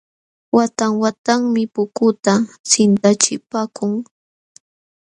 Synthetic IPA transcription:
wat̪aŋwat̪aŋmɪpʊkʊt̪asɪnt̪at͡ʃɪpaːkʊŋ

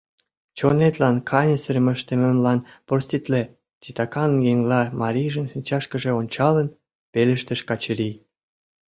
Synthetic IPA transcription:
t͡ɕonet̪lɑnkʰɑnʲəsə̆ɾmə̆ʃt̪ĕmə̆mlɑnporsʲt̪ʲit̪le | t̪ʲit̪ɑkɑnjeŋlɑmɑɾʲijʒə̆nʃinʲt͡ɕɑʃkə̆ʒĕonʲt͡ɕɑlən | pelĕʃt̪ə̆ʃkɑt͡ɕə̆ɾi

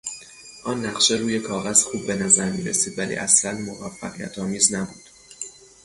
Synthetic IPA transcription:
ʔɒːnːæɣʃe̞ɾuːje̞kʰɒːɣæz̥xuːbːe̞næzæɾmḭːɾḛsiːd̪vælḭːʔæslænmo̞væfːæ̰ɣijæ̰t̪ʰɒːmiːznæbuːd̪̥

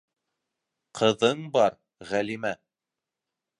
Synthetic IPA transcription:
qʰɤ̆ðɤɴbɑɾ | ʁælimæ

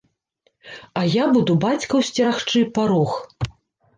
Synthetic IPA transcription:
ɐjabud̪ubat͡sʲkɐwsʲt͡sʲɛɾaxt͡ʂɨpaɾɔx

